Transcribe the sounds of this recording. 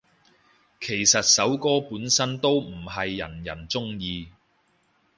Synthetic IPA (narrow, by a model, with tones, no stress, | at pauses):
kʰe˨˩jsɐ˨t̚sɐ˨˥wkɔː˥puː˨˥nsɐ˥nt̪o˥wm̩˨˩ɦɐ˨jːɐ̰˨˩njɐ˨˩nt͡sʊ˥ŋjiː˧